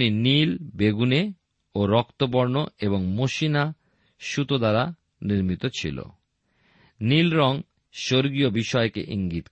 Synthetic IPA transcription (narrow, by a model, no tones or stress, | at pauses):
ninilbeɡune | oɾɔkt̪op̬oɾnoeβoŋmoʃina | ʃut̪od̪aɾa | niɾmit̪ot͡ɕʰḭlo̰ | nilɾɔŋ | ʃoɾɡiobiʃɔekḛʔiŋɡit̪